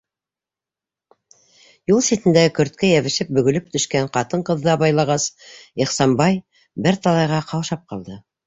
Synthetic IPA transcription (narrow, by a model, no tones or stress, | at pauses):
julˠsit̪ɘ̆nd̪æɡɘkɵ̆ɾt̪̚kæjæβɘ̆ʃɘp̚bɵ̆ɡɵ̆lɵp̚t̪ɵ̆ʃkæɴqɑt̪ɤɴqɤ̆ðːɤɑβɑjlˠɑʁɑsiχsɑmbɑj | bɘɾt̪ɑlˠɑjʁɑqʰɑwʃɑp̚qɑlˠd̪ɤ